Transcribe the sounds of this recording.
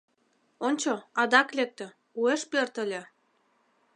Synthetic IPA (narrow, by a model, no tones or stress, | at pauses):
onʲt͡ɕoɑd̪ɑklek̚t̪ø̆ | ueʃpørt̪ə̆lʲĕ